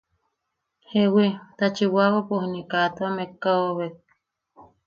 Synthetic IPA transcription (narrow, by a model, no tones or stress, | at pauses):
hewit̪at͡ʃiwawapohnikat̪oamekːaoβek̚